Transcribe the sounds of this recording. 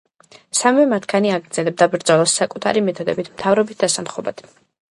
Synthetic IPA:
samvɛmat̪ʰkʰaniaɡɾd̪z̥ɛlɛb̚d̪abɾd̪zɔlˠɔsːakʼut̪ʰaɾimɛt̪ʰɔd̪ɛ̰bit̪ʰmt̪ʰavɾɔbit̪̚d̪asamχɔba̰d̪̥

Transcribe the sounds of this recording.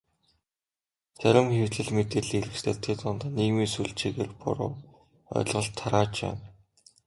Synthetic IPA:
t͡sæɾʲɪ̆mxewɮɘ̆ɮmet̪eːɮiːɾɘ̆kst̪eːt̪ʰet̪ʊnt̪aniːɣmiːsuɮt͡ɕiːɣeːrpʊ̰ɾʊ̰ː | œ̰̆ɮʁɞ̆ɬt̪ʰːaɾaːt͡ɕpæ̰ːn

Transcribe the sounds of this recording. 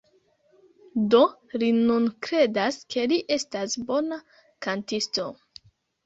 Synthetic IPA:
do̞linunkɾe̞daskʰe̞liʔe̞stasbo̞na | kantisto̞

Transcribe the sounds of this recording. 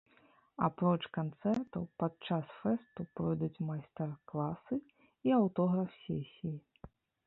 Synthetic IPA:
apɾɔt͡ʂkant̪sɛrt̪ɐwpat͡ʂasfɛst̪upɾɔjd̪ut͡sʲmajst̪ɛrklˠasɨ | iawt̪ɔɣɾɐfsʲesʲiji

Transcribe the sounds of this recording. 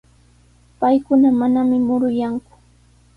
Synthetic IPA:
pajkʊnamanamɪmʊɾʊjaŋkʊ̥

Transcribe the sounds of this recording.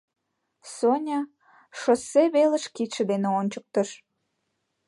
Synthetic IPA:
sonʲɑ | ʃosːeβelə̆ʃkit̪ʃĕd̪eneonʲt͡ɕək̚t̪əʃ

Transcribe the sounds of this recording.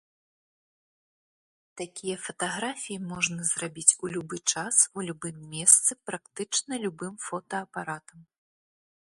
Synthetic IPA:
t̪akʲijɐfɐt̪aɣɾafʲijimɔʐnɐzrabʲit͡sʲulʲubɨt͡ʂasulʲubɨmːʲɛst̪sɨpɾakt̪ɨt͡ʂnɐlʲubɨmfɔt̪ɐːpaɾat̪ɐm

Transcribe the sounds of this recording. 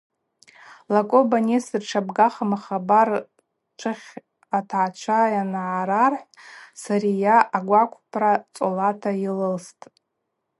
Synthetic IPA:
lakʼobanesɨrʈ͡ʂʰabɡaχamaχabar | ʈ͡ʂʷʰɨχʲ | atʰaʕat͡ʃʷʰajanʕaɾarħʷsaɾijaʔaɡʷakʷʰpʰrat͡sʼolatʰailɨlstʼ

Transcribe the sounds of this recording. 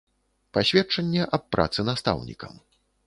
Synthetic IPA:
pasʲvʲɛt͡ʂɐnʲːɛʔɐpːɾʔa̰t̪sɨnast̪a̰wnʲḭkɐ̰m

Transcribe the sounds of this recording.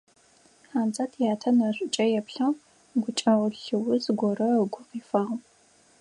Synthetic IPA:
ħaːmzʼaːtʰjaːtʰɐnɐɕʷʼɪt͡ʃʼɐjɛpɬɐw | ɡʷʊt͡ʃʼɐʁʷʊɬɨwʊzɡʷɔrɐɡʷʊqiːfɐʁ

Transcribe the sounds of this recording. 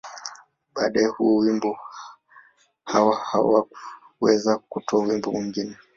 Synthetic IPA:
ɓaɗaɛhuwimbu | hawaha̰wa | wɛzakutʰɔwimbumiŋɡinɛ

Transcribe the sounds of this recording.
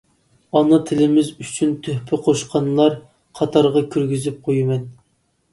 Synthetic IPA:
ɑnɑt̪ʰɪlɪmɪzyt͡ʃʰynt̪ʰøhpʰɪqʰoʃqʰɑnɨlˠɑɾ | qʰɑt̪ʰɑɾʁɑkʲʰyɾɡʲyzyp̚qʰojɨmɛn

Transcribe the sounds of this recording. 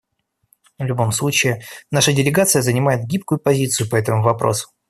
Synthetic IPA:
vlʲʊbo̞mslˠut͡ɕɪɪnaʂədʲɪlʲɪɡat̪sɨjəzənʲɪmajɪt̪̚ɡʲipkʊjʊpɐzʲit̪sɨjʊpɐɛt̪əmʊvɐpɾo̞̰sʊ̥

